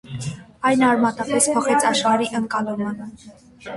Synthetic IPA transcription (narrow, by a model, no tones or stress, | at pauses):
ɑjnɑɾmɑt̪ɑpɛspʰɔχɛt͡sʰɑʃχɑɾiʔəŋkɑlumən